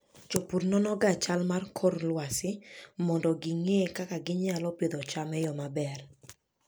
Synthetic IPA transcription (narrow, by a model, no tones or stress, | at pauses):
t͡ʃopuɾnɔnɔɡat͡ʃalmarkʰorlwasɪmɔndɔɡɪŋekakaɡɪɲalɔped̪ɔt͡ʃamɛjɔmabɛr